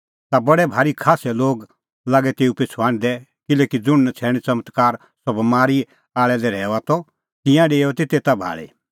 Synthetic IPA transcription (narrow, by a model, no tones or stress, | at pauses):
t̪abɐɽɛbʱaːɾikʰaːsɛloːɡ | laːɡɛt̪eːupet͡sʰuaːɽ̃d̪ɛ | kɪlɛːkid͡zʊɽt͡sʰɛːɽ̃it͡sɐmət̪kaːɾ | sɔbɐmaːɾi | aːɭɛdɛɾɛːat̪ɔ | t̪ɪ̃jãɖeːɔt̪et̪et̪abʱa̰ːɭḭ